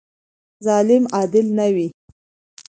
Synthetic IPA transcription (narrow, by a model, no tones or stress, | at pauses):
zɑlɪmɑd̪ɪlnawi